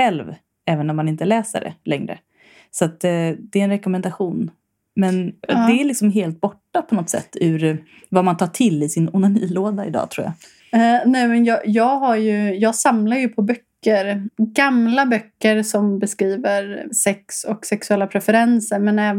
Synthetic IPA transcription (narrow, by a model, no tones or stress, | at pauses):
ɛlv | ɛːvənɔmːanɪnt̪əlɛːsə̰ɖɛ̰lɛŋɾə̰ | sat̪̚d̪ɛɛnɾɛkɔmɛnd̪aɧuːn | mɛnd̪ɛæɾɭlɪksɔmɦeːlt̪̚bɔʈːapʰɔnɔt̪sɛ̰t̪ːʉɾ | vamant̪ʰɑːʈʰɪlːɪsɪnʊnaniːloːd̪aɪ̰d̪ɑ̰ːt̪ʰɾuːja̰ | nɛːmɛnjɑːjɑːɡɦaɾjɵjɑːɡsamlaɾjɵpʰɔbœkːəɾɡamlabœkːəɾsɔmbɛskɾiːvəɾsɛksɔksɛksɵɛlːapʰɾɛfɛɾɛnsəɾmɛnɛːv